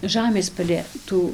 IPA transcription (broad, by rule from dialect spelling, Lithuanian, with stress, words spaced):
ˈʒɑːmʲeːs pɐlʲeː ˈtuː